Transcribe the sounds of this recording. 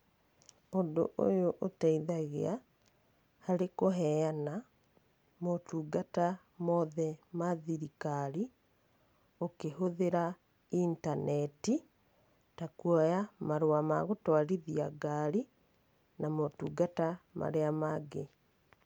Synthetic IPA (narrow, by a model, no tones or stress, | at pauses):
ondo̰ʔo̰joʔotaiðaɣea | haɾekoɦɛjana | motuːɡata | mɔðɛmaðiɾikaɾi | okeɦoðeɾa | intanɛti | takwɔjamaɾwamaɣotwaɾiðiaɡaɾi | namotuːɡatama̰ɾeamaɡe